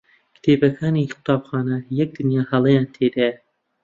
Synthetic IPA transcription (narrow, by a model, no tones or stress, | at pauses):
kt̪ʰeːbɐkʰaːnixʊ̥t̪ʰaːbxaːnɐjɛk̚d̪ɨnjaːhɐlˠɛjaːnt̪ʰed̪aja